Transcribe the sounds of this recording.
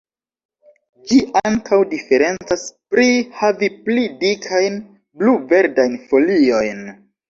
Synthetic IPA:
d͡ʒiʔaŋkawdife̞ɾe̞nt͡saspɾihaviplidikʰajn | bluve̞ɾdajnfo̞lio̞jn

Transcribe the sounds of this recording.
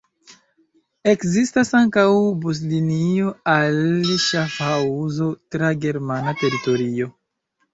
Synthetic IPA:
e̞kzistasaŋkawbus̬linio̞alʃafauzo̞tɾaɡe̞ɾmanate̞ɾito̞ɾio̞

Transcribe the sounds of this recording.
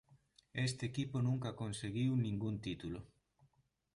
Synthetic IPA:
est̪eːkiponũŋkakonseɣiwnĩŋɡunt̪it̪ulo

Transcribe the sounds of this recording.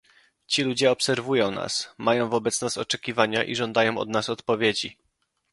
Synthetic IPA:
t͡ɕilud͡ʑɛɔpsɛɾvujɔ̃w̃na̰smajɔ̃w̃vɔbɛt̪snasɔt͡ʂɛkʲivaɲaʔiʐɔnd̪ajɔ̃w̃ɔ̰d̪nasɔt̪pɔvʲjed͡ʑi

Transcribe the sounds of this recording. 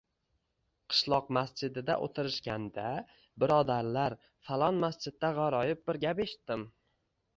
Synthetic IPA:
qʰɨ̥ʃlˠɒqmasd͡ʒɪd̪ɪd̪a̰ʔo̰t̪ʰɪɾɪʃkʲand̪a | bɪɾɒd̪aɾlaɾ | falˠɒnmast͡ʃɪd̪̚ːaʁaɾɒjɪp̚bɪɾɡʲapeʃɪ̥t̪ːɪm

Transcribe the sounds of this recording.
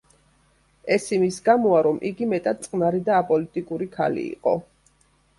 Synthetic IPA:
ɛsimisɡamɔaɾɔmʔḭɡimɛt̪ʼad̪̚tsʼqʼnaɾid̪aːpʼɔlit̪ʼikʼuɾikʰa̰lḭːqʼɔ̰

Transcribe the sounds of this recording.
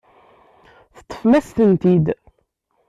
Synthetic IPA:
θə̥t̪ˤːə̥fmæsθənt̪id̪

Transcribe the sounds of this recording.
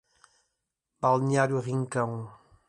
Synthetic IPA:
balnjaɾjuʁiŋkãw̃

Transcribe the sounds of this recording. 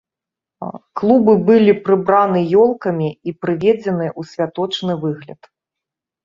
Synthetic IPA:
klˠubɨbɨlʲipɾɨbɾanɨjɔlˠkɐmʲiipɾɨvʲed͡zʲɛnɨjɛʔusʲvʲat̪ɔt͡ʂnɨvɨɣlʲɐ̰t̪

